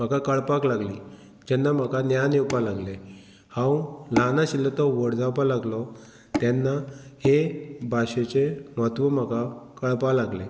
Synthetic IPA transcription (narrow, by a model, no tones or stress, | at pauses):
m̤akakəɭpaklaɡlḭ | d͡ʑɛnːam̤akanjanewpalaɡle | hãwlanaɕilːət̪ɔʋəɽd͡zawpalaɡlɔ | t̪janːahebʱaɕet͡ɕemɔt̪ʋəm̤akakəɭpalaɡle